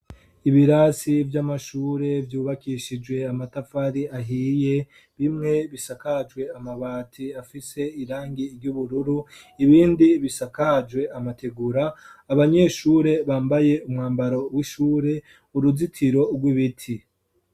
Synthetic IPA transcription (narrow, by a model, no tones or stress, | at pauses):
iβiɾasivjamaʃuːɾe̞vjuːβakiʃid͡ʒwe̞amatafaɾiaɦiːje̞ | βimŋe̞βisakad͡ʒwe̞amaβaːtʰiafise̞iɾaːŋɡiɾɟuβuɾuɾu | iβiːndiβisakad͡ʒwe̞ʔamatʰeɡuɾaːβaɲe̞ːʃuːɾe̞βaːmbaje̞umŋaːmbaɾo̞wiʃuːɾe̞ | uɾuzitʰiɾo̞ɾɡwiβitʰi